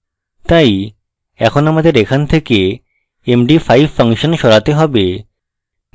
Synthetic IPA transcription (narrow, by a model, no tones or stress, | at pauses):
t̪aj | ɛ̰kʰonamad̪eɾekʰant̪ʰeke | emɖifajbfəŋʃonʃɔɾat̪eɦɔbe